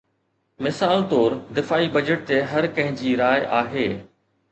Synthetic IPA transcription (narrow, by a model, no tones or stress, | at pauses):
mɪsaːlt̪oːɾd̪ɪfaːibɐd͡ʑəʈ̚t̪eɦɐɾkɐ̃ɦɪ̃ɲd͡ʑiːɾaːjʔaːɦeː